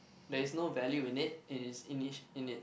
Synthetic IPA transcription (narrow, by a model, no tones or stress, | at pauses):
dɛɪsnovɛljuɪ̃nɪt̚ɪ̃nɪsɪ̃niʃɪ̃nɪt̚